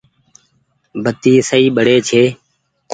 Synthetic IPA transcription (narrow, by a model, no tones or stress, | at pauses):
bʱət̪iːsəiːɓəɽeːt͡ʃʰeː | k